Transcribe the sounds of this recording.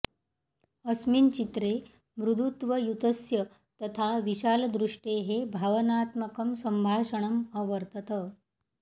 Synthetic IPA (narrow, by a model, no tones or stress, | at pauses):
əsmint͡ɕit̪ɾe | mɾud̪ʱut̪ʋəjut̪əsjə | t̪ət̪ʰaʋiɕaːld̪ɾuʂʈeɦebʱaʋənaːt̪məkəmsəmbʱaːʂəɳ̃əməʋəɾt̪ət̪ə